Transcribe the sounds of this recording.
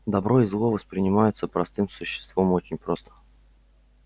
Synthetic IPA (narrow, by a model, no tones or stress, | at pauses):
d̪ɐbɾo̞ɪzlˠo̞vəspɾʲɪnʲɪmajɪt̪səpɾɐst̪ɨmsʊɕːɪ̥st̪vomot͡ɕɪnʲpɾo̞st̪ə̥